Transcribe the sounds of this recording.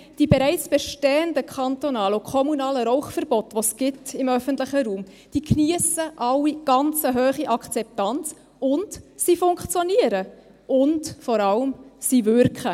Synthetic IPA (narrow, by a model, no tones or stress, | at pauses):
d̥ibeɾæɪt͡sb̥ɛʃtɛːəndəkʰχɑntonɑːlʊkʰɔmunɑːləɾɔʊχfəɾb̥ɔtʋosɡ̥ɪtɪmœfəntlɪχəɾuːm | d̥iːkniəsəʔɑwːiɡ̥ɑnt͡səɦøːχiʔɑkt͡sɛp̚tɑnt͡s | ʊntsifʊŋkχt͡sjɔniəɾə | ʔʊntfɔɾɑlmsivʏɾkχə